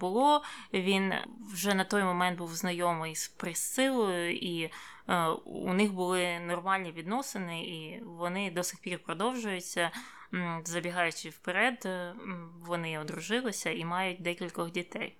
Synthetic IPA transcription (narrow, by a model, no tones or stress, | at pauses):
bʊlˠɔʋʲinwʒɛnɐt̪ɔjmɔmɛnt̪buwznɐjɔmɪjspɾɪsɪlˠɔjʊʔi | ṵnɪxbʊlˠɪnɔrmɑlʲnʲiʋʲid̪nɔsɪnɪiʋɔnɪd̪ɔsɪxpʲirpɾɔd̪ɔwʒʊjʊt͡sʲːɐ | zɐbʲiɦɑjʊt͡ʃɪwpeɾɛd̪ | ʋɔnɪɔd̪ɾʊʒɪlˠɪsʲɐimɑjʊt̚ʲd̪ɛkʲilʲkɔɣdʲit̪ɛ̰j